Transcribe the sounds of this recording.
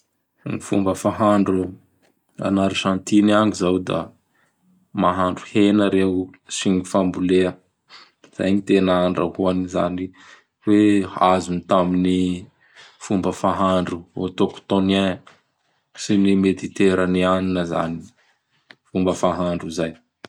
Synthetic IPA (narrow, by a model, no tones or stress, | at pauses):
nifṵmbəfaɦaɳɖ͡ʐu | a̰naɾiʃãnt̪inaŋizawd̪a̰ | maɦaɳɖ͡ʐuhenəɾeusiɲifambuleə | z̥a̰jɲit̪enaaɳɖ͡ʐə̰ɦuaniza̰ni | weazunit̪amini | fumbəfaɦaɳɖ͡ʐuot̪okt̪one | sinimet̪it̪eɾənianinəza̰ni | fumbəfaɦaɳɖ͡ʐuzaj